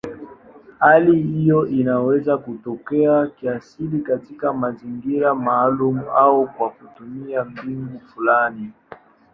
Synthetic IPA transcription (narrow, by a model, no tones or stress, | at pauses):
halihijɔʔinawɛzakutɔkɛakiasilikatikamaziŋɡiɾamaːlumuaukwakutumiam̩biŋɡufulani